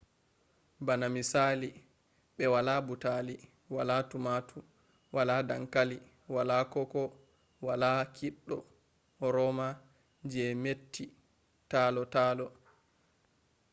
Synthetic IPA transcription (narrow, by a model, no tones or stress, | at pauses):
banamisali | ɓɛwalabutali | walaːtumatʰu | walaːdaŋkali | walakɔkɔ | walakʰiɗːɔ | ɾɔma | d͡ʒɛmetːi | taːlɔtaːlɔ